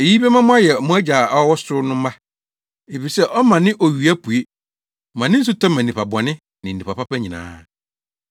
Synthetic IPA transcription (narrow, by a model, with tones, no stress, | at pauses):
e˨ji˦be˦mã˦mʊ̃˦a˦jɛ˨mʊ̃˦æ˦d͡ʑa˨a˦wɔ˦sʊ˦nʊ̃˦mã˦ | e˨fi˨sɛ˦ʔɔ˦mã˨nɪ̃˦ʔɔ˨ɥi˨æ˦pʰu˨e˦˨ | mã˨nɪ̃˦n̩˦s̬ʊ˦tʰã˦mã˨n˨ĩ˨pa˨bɔ˨nɪ̃˦ | nɪ̃˨ĩ˨pa˨pa˦pæ˦ɲĩ˨nã̰ː˨˦